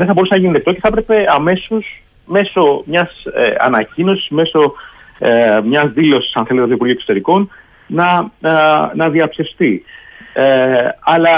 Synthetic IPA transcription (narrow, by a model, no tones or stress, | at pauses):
ðeθɐboɾusenɐʝiniet̪o̞ce̞θpɾe̞pe̞ɐme̞sos | me̞so̞mɲɐsḛɐ̰nɐcino̞si̥zme̞so̞ | mɲɐzðilo̞si̥sɐnθelet̪eoipuɾʝioeksot̪e̞ɾiko̞n | nɐ | nɐðiɐpsist̪i | eɐlɐ